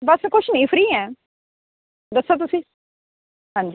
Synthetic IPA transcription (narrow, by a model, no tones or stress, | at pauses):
bɐskʊt͡ʃʰnɐĩfɾiːɛ̃ | d̪ɐsot̪̬usĩ | ɦãɲd͡ʒi